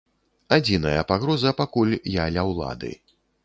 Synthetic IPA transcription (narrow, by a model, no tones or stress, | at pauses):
ad͡zʲinɐjɐpaɣɾɔzɐpakulʲjalʲɐwlˠa̰d̪ɨ̰